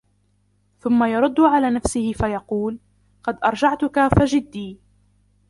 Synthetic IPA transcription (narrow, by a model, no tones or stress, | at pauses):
θʊmːajɑɾˤʊd̪ːʊʕalaːnafsɪhɪfajɑquːl | qɑd̪ʔɑɾˤd͡ʒaʕt̪ʊkafad͡ʒɪd̪ːiː